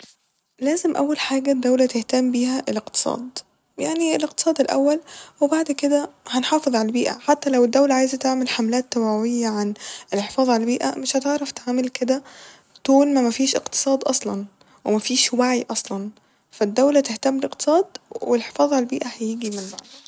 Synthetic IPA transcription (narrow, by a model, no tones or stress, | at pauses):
læːzemʔæ̰wːælħaːɡæd̪ːæwlæt̪eht̪æmbiːhæʔeleqt̪ɨ̥sˤɑ̰ːd̪ | jaʕnieleqt̪ɨ̥sˤɑːd̪elʔæ̰wːælwebaʕd̪ked̪æhænħɑːfeðˤʕalæbiːʔæ̰ħat̪ːælæwed̪ːæwlæʕaːjzæt̪eʕmelħamlæːt̪ːæwæwejːæʕanelħefɑːðˤʕalælbiːʔæ̰meʃhæt̪eʕɾɑft̪aʕmelked̪æ | t̪oːlmæmæfiːʃʔḛqt̪ɨ̥sˤɑːd̪ʔɑsˤlɑn | wemæfiːʃwaʕiʔɑsˤlɑn | fæd̪ːæwlæt̪eht̪æmːbeleqt̪e̥sˤɑːd̪welħe̥fɑːðˤʕalælbiːʔæhæjeɡimenbaʕd̪